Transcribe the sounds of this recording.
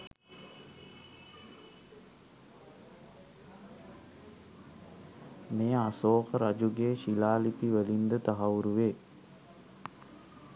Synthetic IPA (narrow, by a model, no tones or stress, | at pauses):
mejəasoːkəɾad͡ʒuɡeːʃilaːlip̪iʋəlind̪ət̪aɦaɾuʋeː